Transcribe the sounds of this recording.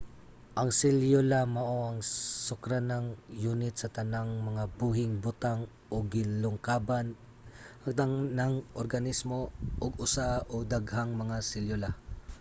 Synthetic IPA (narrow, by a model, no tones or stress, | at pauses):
ʔɐŋsɪljolamɐʔoaŋsʊkɾanaŋjuːnɪt̪̚sɐt̪ɐnaŋmɐŋabuːɦɪŋbʊt̪aŋ | ʔoɡɪlʊŋkaːban | ʔɐŋ̚d̪aŋnaŋʔoɾɡɐnismoʔoɡʊsaʔod̪aɡhaŋmɐŋasɪljola